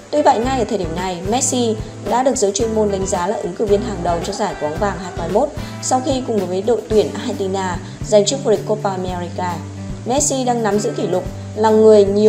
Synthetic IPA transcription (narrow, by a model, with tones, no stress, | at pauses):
t̪wi˧ɓa̰ː˧˨jŋa˧jʔəː˧˩t̪ʰːi˧˩na˨˩jmɛ˦˥t̚si˧ | ɗa̰ː˧˥ɗɨ˨˩ək̚zəː˨˦jt͡ɕwḭ˧˨nmo˧nɗa˨˦ŋ̟zaː˨˦laː˨˩ʔɨ˨˦ŋkɨ˧˩vi˧ənɦaː˨˩ŋɗə˨˩wt͡ɕɔ˧zaː˧˩jkːŋvaː˧˩ŋhɦaː˧jkwaː˧˩jmo˦˥t̚ | sa˧wxi˧kʊ˨˩ŋ͡mɗo˨˦jvəː˨˦jɗo̰˧˨jt̪wi˨˧˩ənʔaː˧hɛ˧t̪i˧naː˧ | za˨˩jŋt͡ɕu˦˥k̚fï˨˩kːo˧paː˧mɛ˧ɾi˧kaː˧ | mɛ˦˥t̚si˧ɗaː˧ŋna˨˦mzɨ̰˧˥k̪ʰi˧˩˨lʊ˨˩k͡p̚ | laː˨˩mŋɨ˨˩əjɲi˨˩